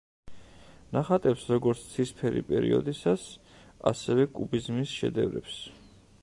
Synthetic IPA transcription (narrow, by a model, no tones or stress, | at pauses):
naχat̪ʼɛpsɾɔɡɔɾt̪sʰt̪sʰispʰɛɾḭpʼɛɾḭɔ̰d̪isas | a̰sɛvɛkʼubizmisʃɛ̰d̪ɛvɾɛps